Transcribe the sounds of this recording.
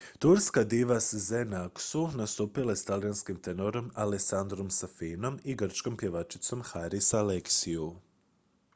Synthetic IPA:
t̪uɾskad̪iʋaszenaksunast̪upilast̪alijanskimt̪enoɾo̞maleksand̪ɾo̞msafino̞miɡr̩t͡ʃkompje̞ʋat͡ʃi̥t̪so̞mxaɾisaleksiu

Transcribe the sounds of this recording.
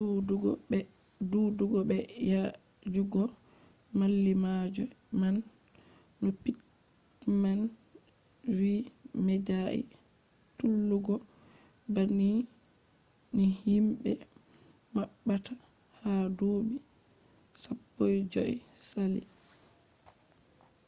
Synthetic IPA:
uduɡɛ | duduɡɔbɛja | d͡ʒuɡɔ | malːimad͡ʒɔ | manː | ɔpi | man | wimɛd͡ʒaʔḭ | tulːuɡɔ | bani | nihimɓɛ | maɓːata | hadoːbi | sapːojd͡ʒɔ̰j | salḭ

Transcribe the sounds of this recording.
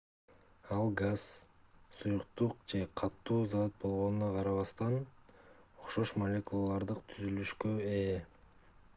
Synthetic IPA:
ɑlˠɡaz̥ | sujuqt̪uqd͡ʒe̞qʰɑt̪ːuːzat̪̚bo̞lˠʁo̞nunɑqʰɑɾɑβɑst̪ɑn | o̞χʃo̞ʃmɐlʲe̞kulˠalˠɑɾd̪ɯqt̪ʰyzylyʃkøe

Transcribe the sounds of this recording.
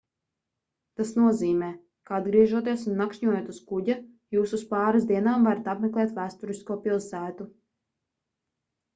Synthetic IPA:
t̪asnuɔziːmɛː | kaad̪ɡɾiɛʒuɔt̪̬iɛsunːakʃɲuɔjoːt̪uskuɟa | juːsuspɑːɾazd̪iɛnaːmvaɾat̪apmeklˠɛːt̪væːst̪uɾiskuɔpilˠsæːt̪u

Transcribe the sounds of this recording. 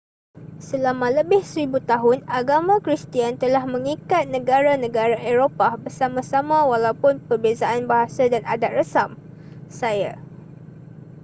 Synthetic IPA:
səlamãləbɪhsəɾibut̪aɦʊnaɡamãkɾist̪iant̪əlahmə̃ŋikat̪̚nə̃ɡaɾanə̃ɡaɾaʔeɾopabərsamãsamãwalawpʊnpərbezaʔanbaɦasadanadat̪̚rəsam | saja

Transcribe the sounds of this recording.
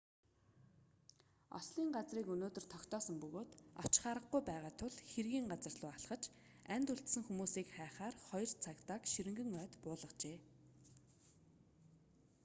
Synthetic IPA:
ɔ̰sɮiːŋɢat͡sriːkɵnoːt̪ɵ̆r̥t̪ʰɔkt̪ɔːsə̆mpɵɣoːt̪ɔ̰̥t͡ɕχaːɾə̆χɡujpæːʁaːt̪ʰʊɮxerɣiːŋɢat͡sə̆rɮʊːaɮχə̆t͡ɕ | ænʲt̪ɵɬt̪sɘ̆ŋxumuːsiːkχæːχaːrχɔj̆rt͡sʰakt̪aːkʃiɾɘ̆ŋɡɘ̆ŋœːt̪pʊːɮə̆t͡ɕeː

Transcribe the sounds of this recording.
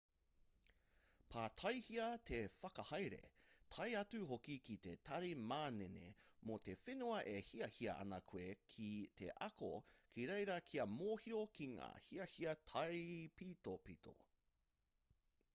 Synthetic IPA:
pʰaːtʰɐjhiɐtʰefɐkɐhɐjɾe̞̰tʰɐjɐt͡suhokikite̞tʰɐɾimaːnenḛmote̞fenuɐʔehiɐhiɐʔɐ̰nɐkʰuekʰitʰḛʔɐko̰kʰiɾejɾɐkʰiɐmoːhiokʰiŋa̰ːhiɐhiɐtʰɐjpiːtopitʰo̰

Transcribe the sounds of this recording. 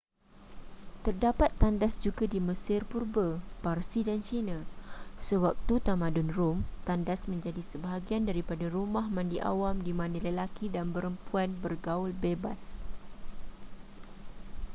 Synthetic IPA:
t̪ərdapat̪ːandasd͡ʒuɡadiməsɪrpurbəparsidant͡ʃinãsəwak̚t̪ut̪amãdʊnrʊmt̪andasmə̃ɲd͡ʒadisəbaɦaɡiandaɾipadaɾumãhmãndiʔa̰wamdimãnə̃ləlakidanbəɾəmpuanbərɡaʊlbebas

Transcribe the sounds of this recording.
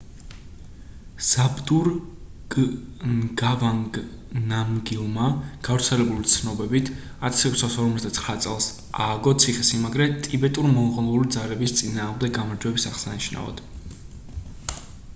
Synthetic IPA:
z̥abd̪uɾ | ɡavaŋɡ | namɡilˠmaɡ̥avɾt̪sʰɛlɛbulit̪sʰnɔbɛbit̪ʰ | at̪ʰḁsɛkʰʷsasɔɾmɔt̪d̪at̪sʰχɾat̪sʼɛlˠs | a̰ːɡɔt̪sʰiχɛsimaɡɾɛt̪ʼibɛt̪ʼuɾimɔnʁɔnˠulid̪zalɛbist̪sʼinaːʁmd̪ɛɡɡamaɾd͡ʒwɛbisaʁsaniʃna̰vɔ̰d̪̥

